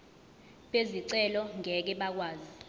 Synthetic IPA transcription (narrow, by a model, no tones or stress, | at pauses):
ɓeziǀɛlɔŋɛk̬ɛɓak̬waːzi